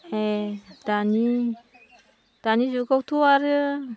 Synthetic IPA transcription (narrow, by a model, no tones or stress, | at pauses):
ed̪̥ani | d̪̥anizikawt̪uaɾi